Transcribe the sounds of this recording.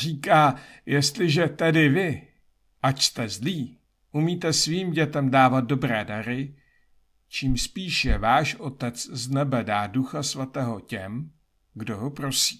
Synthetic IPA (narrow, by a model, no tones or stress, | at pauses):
riːkaːjɛst̪lɪʒɛt̪ɛdɪvɪ | ʔacst̪ɛzliː | ʔumiːt̪ɛsviːmɟɛt̪ɛmdaːvat̪̚do̞bɾɛːdaɾɪ | t͡ʃiːmspiːʃjɛvaːʃʔo̞t̪ɛt͡sznɛbɛdaːduxasvat̪ɛːɦo̞cɛm | ɡdo̞ɦopɾo̞si̥ː